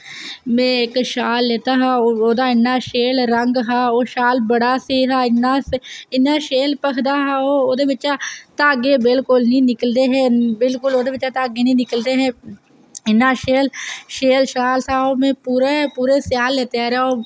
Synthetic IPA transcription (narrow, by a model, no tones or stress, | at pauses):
mɛ̃ːɪkʃaːlːeːt̪aːɦaːooːd̪aːɪnːaːʃeːlɾəŋɡɦaːoːʃaːlbəɽaːseːɦaːɪnːaːsɪnːaːʃeːlpəkʰd̪aːɦaːoːoːd̪eːʋɪt͡ʃaːt̪aːɡeːbɪlkʊlnĩːnɪkəld̪eːɦɛ̃ːbɪlkʊloːd̪eːʋɪt͡ʃaːt̪aːɡeːnĩːnɪkəld̪eːɦɛ̃ː | ɪnːaːʃeːlʃeːlʃaːlsaːoːmẽːpuːɾapuːɾeːsjaːlːeːt̪eaːɾaːoː